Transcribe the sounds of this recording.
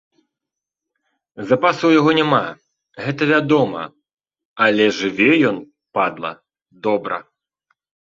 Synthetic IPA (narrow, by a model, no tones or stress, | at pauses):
zapasɐwjaɣɔnʲɛma | ɣɛt̪ɐvʲad̪ɔmɐ̰ | ɐlʲɛʐɨvʲɛjɔn | pad̪lˠɐ̰ | d̪ɔbɾɐ̰